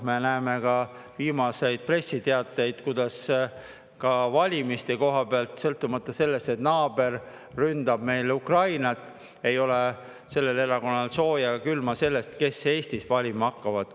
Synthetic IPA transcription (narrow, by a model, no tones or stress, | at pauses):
menæeme̞kɑ | viːmɑse̞jd̪̥̚pre̞sːit̪eɑt̪ːˑejd̪̥kud̪̥ɑs | kɑvɑlʲimist̪eko̞ɦɑb̥eɑlt̪sɤlt̪ːˑumɑt̪ːˑɑse̞lːe̞st̪et̪nɑːb̥e̞r | rynd̪̥ɑb̥me̞jlukrɑjnɑt̪ːˑ | e̞jo̞le | se̞lːele̞ɾɑko̞nːɑlso̞ːjɑkylmɑse̞lːe̞st̪ke̞sːe̞ːst̪isvɑlʲimɑɑkːɑvɑd̪̥